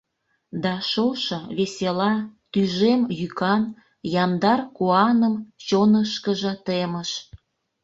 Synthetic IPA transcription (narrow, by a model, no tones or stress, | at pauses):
d̪ɑʃoʃɤ̆βeselɑt̪yʒemjykɑn | jɑnd̪ɑrkuɑnəmt͡ɕonəʃkəʒə̆t̪eməʃ